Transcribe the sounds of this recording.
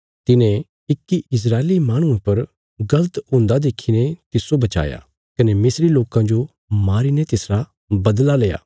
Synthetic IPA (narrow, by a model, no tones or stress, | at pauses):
t̪ɪnẽ | ɪkːiɪs̬ɾaːelimaːɽ̃ũẽpɐɾ | ɡɐlət̪ɦʊ̃ːnd̪ad̪eːkʰinet̪ɪsobɐt͡ʃa̰ːja̰ː | kɐnemɪsɾiloːkãd͡ʒo | maːɾiːnet̪ɪsɾa | bɐd̪laleːja̰ː